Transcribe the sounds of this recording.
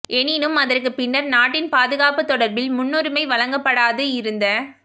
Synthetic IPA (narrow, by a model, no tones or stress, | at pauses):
ʔɛnɪnɯmɐðɐrkɯpɪnːɐɾnaːʈːɪnpaːðɯɣaːpɯt̪ːɔɽɐɾbɪlmʊnːɔɾɯmɐɪʋɐlɐŋɡɐpːɐɽaːðɯɪɾɯnd̪ɐ